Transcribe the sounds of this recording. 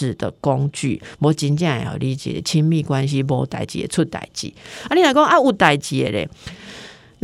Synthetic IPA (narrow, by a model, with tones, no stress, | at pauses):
ɻ̩˨˩d̪̥ə̰˨˩kɔ˦ŋt͡ɕy̰˥˨bɔ˨˦t͡ɕi˧nt͡ɕjã˥˩ŋḛ˨ha̰˨˩li˧˦t͡ɕjɛ̰˨ɾḛ˨˦t͡ɕʰi˦ŋmi˥˧˨kwa˦nɕ̬i˦bɔ˧˦˨t̪a̰˨˩ɪt͡ɕḭ˨ḛ˨t͡sʰu˥˧t̪a̰˨˩ɪt͡ɕḭ˨˦a˦ni˨na˨˩˨kɔ˥˦ŋʔa˦u˨˩t̪a˨ɪt͡ɕi˨˩e˨lḛ˨˩ | n